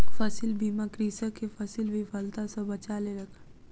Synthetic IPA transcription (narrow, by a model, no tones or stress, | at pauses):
fɐsɪlbiːmãkɾiːsəkːefɐsɪlbʱifɐlt̪asɐbɐt͡ʃaːleɾɐkʰa